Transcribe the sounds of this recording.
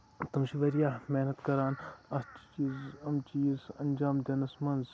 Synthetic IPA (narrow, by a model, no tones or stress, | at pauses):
t̪ɐmʃiʋɐɾijaːmeːnɐt̪kɐɾaːnɐst͡ʃt͡ʃiːzɐmt͡ʃiːzɐnd͡ʒaːmd̪eːnɐsmɐnz